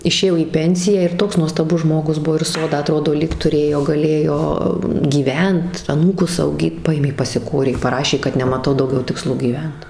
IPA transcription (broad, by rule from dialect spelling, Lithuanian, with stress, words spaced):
ɪʃʲeːˈjoː iː ˈpʲɛnʲsʲɪjæː ɪr ˈtoːks nuɔstɐˈbʊs ˈʒmoːɡʊs ˈbʊʋoː ɪr ˈsoːdɑː ɐˈtroːdoː lʲiːk tʊˈrʲeːjoː ɡɐˈlʲeːjoː ɡʲiːˈʋʲɛnt ɐˈnuːkʊs ɐʊˈɡʲiːt ˈpɐeːmʲeː pɐsʲɪˈkoːrʲeː pɐˈrɑːʃʲeː kɐt nʲɛmɐˈtɐʊ dɐʊˈɡʲɛʊ tʲɪkˈslˠoː ɡʲiːˈʋʲɛnt